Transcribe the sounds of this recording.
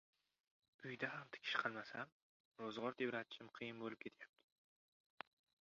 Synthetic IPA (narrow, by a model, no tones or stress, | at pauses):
ʊjd̪ahamt̪ʰɪ̥kʲʰɪ̥ʃqʰɑlˠmasam | ɾozʁɒɾt̪ʰevɾat̪t͡ʃʰɪmqʰɨjɪnbolˠɪp̚kʲʰe̞t̪ʰjap̚t̪ʰɪ